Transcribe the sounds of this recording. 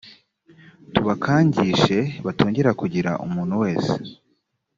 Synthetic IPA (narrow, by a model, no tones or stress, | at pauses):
tuβakʰaːɲɟiːʃe̞βatoːɲɟe̞ɾakuɟiɾa̰ʔṵmuːnhuwe̞ːse̥